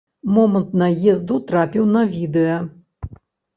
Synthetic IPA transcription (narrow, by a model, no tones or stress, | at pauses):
mɔmɐnt̪nɐjɛzd̪ut̪ɾapʲiwnɐvʲid̪ɛjɐ